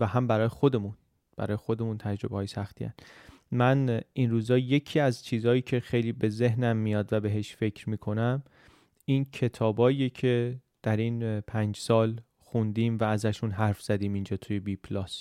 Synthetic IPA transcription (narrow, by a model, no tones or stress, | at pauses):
væɦæmbæɾɒːjexo̞d̪e̞mun | b̥æ̰ɾɒːjexo̞d̪e̞muːnt̪ʰæd͡ʒɾo̞behːjesæxt̪ʰḭːæ̰n | mænʔinɾuːzɒːje̞cʰiːæzt͡ʃʰiːzɒːjiːcʰe̞xe̞jliːbe̞ze̞ɦnæmːijɒːd̪væbe̞ɦe̞ʃfe̞cʰɾmiːkʰo̞næm | incʰe̞t̪ʰɒːbɒːijecʰe̞d̪̥æɾiːnpʰænd͡ʒsɒːl | xund̪iːmvæːzæʃunɦæɾfz̥æd̪iːmind͡ʒɒːt̪ʰuje̞bipʰlɒs